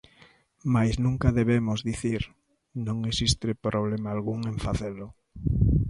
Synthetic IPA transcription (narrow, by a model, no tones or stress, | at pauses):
majsznũŋkaðeβemʊzðiθiɾ | nõŋesist̪epɾʔoβlemaːlɣuŋẽɱfaθelʊ